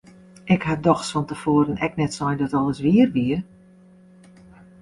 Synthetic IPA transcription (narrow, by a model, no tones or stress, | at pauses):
ɪkhadɔxsfɔntəfoːəɾənɛknɛtsɔjdɔtɔlˠəsʋiərʋiər